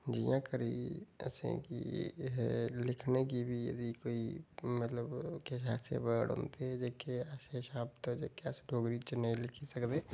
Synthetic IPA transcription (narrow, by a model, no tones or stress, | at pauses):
d͡ʒijãkəɾiɛ̰sḛ̃kḭɦɛlɪkʰnek̬ibʱijə̰d̪ikoːimət̪ləbkeʃaːsḛbəɽõ̰ːnt̪eɦɛd͡ʒekeaːseʃaːb̚t̪od͡ʒekeasɖʱoːɡɾit͡ʃenɐɦĩlɪkʰisɐkd̪eː